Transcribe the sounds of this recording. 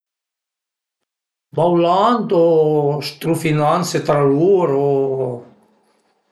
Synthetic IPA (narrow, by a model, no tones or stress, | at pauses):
bawland̪ost̪ɾufinanset̪ɾaluɾo